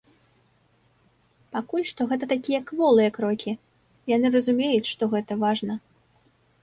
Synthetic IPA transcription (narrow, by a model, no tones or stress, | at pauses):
pakulʲʂt̪ɔɣɛt̪̬ɐt̪akʲijɐkvɔlˠɨjɐkɾɔkʲʰi | janɨrɐzumʲejut͡sʲʂt̪ɔɣɛt̪ɐvaʐnɐ